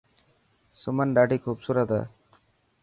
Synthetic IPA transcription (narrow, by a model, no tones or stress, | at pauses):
sʊmənɖaʈiːkʰuːbsuɾət̪a̰ː